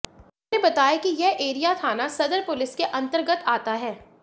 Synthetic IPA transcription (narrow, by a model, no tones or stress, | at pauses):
nebɐt̪aːjakijɛɦʔeːɾijat̪ʰaːnasɐd̪əɾpʊlɪskeʔɐ̃nt̪əɾɡət̪aːt̪aɦɛː